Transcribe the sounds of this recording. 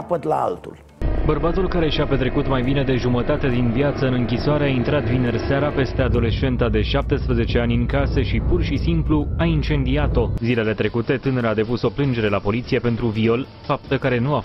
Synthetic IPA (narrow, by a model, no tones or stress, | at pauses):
pət̪la̰a̰lt̪ṵl | bərbat̪ulkaɾe̞ʃiape̞t̪ɾe̞kut̪majbine̞d̪e̞ʒumət̪at̪e̞d̪invjat̪səɨnɨŋkʲisoaɾe̞aint̪ɾat̪vine̞rseaɾape̞st̪e̞ad̪o̞le̞ʃe̞nt̪ad̪e̞ʃap̚t̪e̞spɾəze̞t͡ʃe̞anʲɨŋkasəʃipurʃisimpluaint͡ʃe̞nd̪iat̪o̞zile̞le̞t̪ɾe̞kut̪e̞t̪ɨneɾead̪e̞puso̞plɨnd͡ʒe̞ɾe̞lapo̞lit̪sije̞pe̞nt̪ɾuvio̞l | fap̚t̪əkaɾe̞nua